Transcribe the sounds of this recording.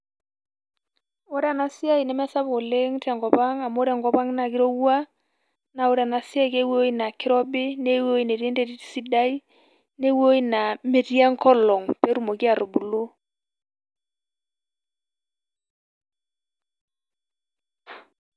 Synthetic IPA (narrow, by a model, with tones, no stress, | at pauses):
o˦ɾa˨na˦si˦a˦i˨nɛ˨˦mɛ˦sa˦bo˨le˦ŋtɛ˨ŋɡɔ˨pa˦ŋa˨mo˦ɾɛ˨ŋɡɔ˦pa˦ŋna˨kɪ˦ɾo˦wwa˦ | na˨o˦ɾa˨na˨sja˦i˦ke˦wo˦i˦na˨kɪ˦ɾɔ˦bɪ˦ne˦wo˦i˨ne˨ɾe˦nte˦ti˦ti̥˦si˦da˦i˦ | ne˦wo˦i˦na˨me˨tja˦ŋkɔ˦lɔ˨ŋpe˦ɾu˦˨mo˨ki˦a˨ɾo˨bu˨lo˦